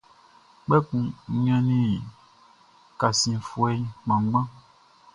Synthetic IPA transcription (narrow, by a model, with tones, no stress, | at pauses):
k͡pɛ˦kũ˨˦m˦ã˦nĩ˦˨ | ka˨sĩ˨fu˦˨ɛ˦i˦k͡pã˨ŋ˦ɡ͡bã˦